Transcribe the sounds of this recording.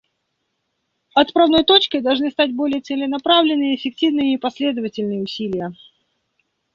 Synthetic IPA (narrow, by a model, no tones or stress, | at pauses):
ɐt̪pɾɐvno̞jt̪o̞t͡ɕkʲɪd̪ɐlˠʐnɨst̪at̚ʲbo̞lʲɪjət̪sɨlʲɪnɐpɾavlʲɪnːɨjəɪfʲɪk̚tʲivnɨjəipɐsʲlʲed̪əvətʲɪlʲnɨjəʊsʲilʲɪjə